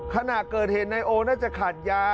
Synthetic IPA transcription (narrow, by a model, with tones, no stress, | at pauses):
kʰa˧na˨˩ʔkɤː˨˩t̪̚he˨˩t̪̚na˧jʔoː˧naː˥˩t͡ɕa˨˩kʰaː˨˩t̪̚jaː˦˥